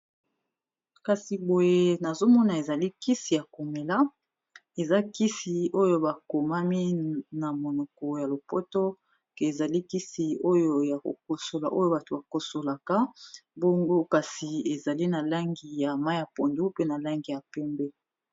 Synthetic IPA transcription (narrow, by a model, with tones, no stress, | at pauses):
ka˨si˨bo˨je˦na˨zo˦mɔ˦na˨e˨za˨li˦ki˦si˨ja˨ko˨me˨la˦ | e˨za˦ki˦si˨o˦jo˦ba˨ko˨ma˦mi˦na˨mo˨nɔ˨kɔ˨ja˨lo˨po˦to˦ | ke˨e˨za˨li˦ki˦si˨o˦jo˦ja˨ko̰˨k̚o˨so˨la˨ʔo˦jo˦ba˨to˨ba˨ko˨so˨la˨ka˦bo˦ŋɡo˦ka˨si˨e˨za˨li˦na˨la˦ŋɡi˨ja˨ma˦jja˨po˨ndu˦pe˦na˨la˦ŋɡi˨ja˨pɛ˦mbɛ˦